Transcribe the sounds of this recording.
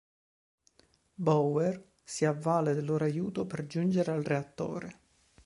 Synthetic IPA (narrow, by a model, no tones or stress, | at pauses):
bɔwɛr | siavːaːled̪ɪlːoːɾoajuːt̪operd͡ʒund͡ʒeɾealreat̪ːo̰ːɾe